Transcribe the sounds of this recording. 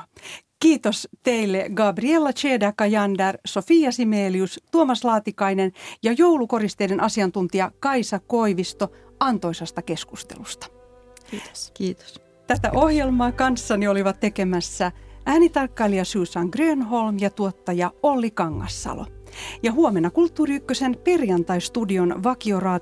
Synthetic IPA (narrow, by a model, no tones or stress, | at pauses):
kiːt̪ost̪eilːeɡɑːbrielːɑt͡ʃeːdækɑjɑndɑrsofiːjɑsimeːliyst̪uomɑslɑːt̪ikɑinenjɑjoulukorist̪eidenʔɑsiɑnt̪unt̪iɑkɑisɑkoiʋist̪o | ɑnt̪oisɑst̪ɑke̞skust̪ḛlust̪ɑ̥ | s | t̪æt̪æ̰ʔohjelmɑːkɑnsːɑnioliʋɑt̪ːekemæsːææːnit̪ɑrkːɑliɑsyːsɑŋɡreːnɦolmjɑt̪uot̪ːɑjɑolːikɑŋːɑ̰sːɑ̰lo̰jɑɦuomenːɑkult̪ːuːriykːøsenperjɑnt̪ɑist̪udionʋɑkiorɑː